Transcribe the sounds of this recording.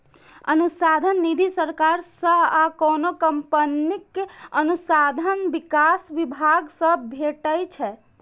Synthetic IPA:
ənusad̪ʱənːid̪ʱisəɾkaɾsə̃akɔnokəmpənikənusad̪ʱənʋɪkasʋibʱaɡsə̃bʱeʈəjt͡ʃʰɛ

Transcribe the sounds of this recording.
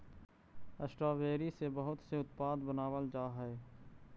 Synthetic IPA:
əsʈɾaːʋeːɾisebɐɦʊt̪seʊt̪paːd̪bənaːʋəld͡ʒaːɦɛe

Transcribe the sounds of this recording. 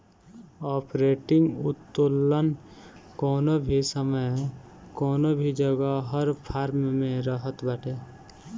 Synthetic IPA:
ɔːpɾeːʈɪ̃ŋɡʊt̪ːolːənkɔːnobʱisəməj | kɔːnobʱid͡ʒəɡaɦəɾpʰaːɾmmẽɾəɦət̪baːʈʰeː

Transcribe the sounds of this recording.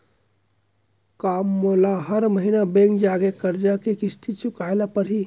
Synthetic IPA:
kamːolaɦəɾməɦinabẽŋkd͡ʒaɡekəɾd͡ʒakekist̪ʰit͡ʃukaelapəɾɦi

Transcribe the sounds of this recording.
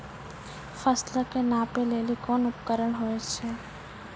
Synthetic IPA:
fəslakenãːpeleːlikɔːnʊpkəɾəɽ̃ɦoːet͡ʃʰɛː

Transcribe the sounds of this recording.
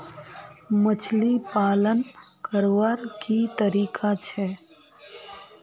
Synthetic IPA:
mət͡ʃʰlipaːlənkəɾʋaɾkit̪əɾiːkʰat͡ʃʰɛː

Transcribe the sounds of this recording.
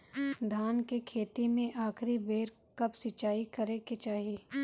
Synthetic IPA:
d̪ʱaːnkekʰeːt̪imẽʔaːkʰɾibeːɾ | kɐpsɪt͡ʃaːikɐɾeket͡ʃaːɦeː

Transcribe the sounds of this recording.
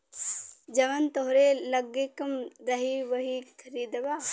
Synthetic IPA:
d͡ʒɐʋɐnt̪oɦɾelɐɡekɐmɾɐɦiʋɐɦikʰɐɾiːd̪ɐʋaː

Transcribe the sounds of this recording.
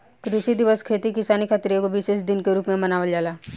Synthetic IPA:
kɾɪʃid̪ɪʋəskʰeːt̪ikɪsaːnikʰaːt̪ɾiõkobiʃeʃd̪ɪnkeɾuːpmẽmɐnaːʋəld͡ʒaːlaː

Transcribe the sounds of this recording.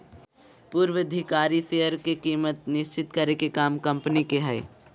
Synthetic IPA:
puːɾʋɪd̪ʱɪkaːɾiseːəɾkekiːmət̪nɪʃt͡ʃɪt̪kəɾekekaːmkɐ̃mpnikeɦɛː

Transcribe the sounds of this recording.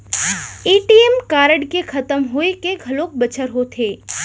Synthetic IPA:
iːʈiːemkaːɾəɖkekʰɐt̪əmɦoekeɡʱɐloːk̚bɐt͡ʃʰəɾɦot̪ʰeː

